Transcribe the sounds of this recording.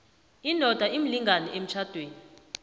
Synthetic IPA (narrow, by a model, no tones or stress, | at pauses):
inʱɔd̥ʱaʔim̩liŋɡanɛem̩t͡ʃʰad̥ʱweːni